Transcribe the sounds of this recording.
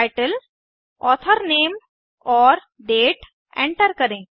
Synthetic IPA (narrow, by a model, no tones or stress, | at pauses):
jʈəl | ɔt̪ʰəɾnem | ɔɾ | ɖeʈ | ḛ̃ɳʈəɾkəɾẽ